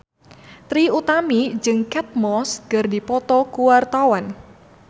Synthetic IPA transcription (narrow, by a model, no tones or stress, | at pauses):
t̪ɾiut̪amid͡ʒɨŋkɛt̪̚mɔsɡ̥ərdipɔt̪ɔkuwart̪awan